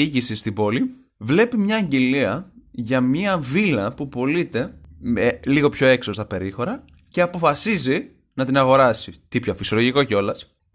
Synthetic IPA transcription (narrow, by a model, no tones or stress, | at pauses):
iʝisist̪ibo̞li | vle̞pimɲɐːɲɟeliɐʝɐmiɐvilɐpupo̞lit̪e̞meliɣo̞pço̞e̞kso̞st̪ɐpe̞ɾixo̞ɾɐ | ceɐpo̞fɐsizi | nɐt̪inɐɣo̞ɾɐsit̪ipçofisioloʝiko̞ceo̞lɐs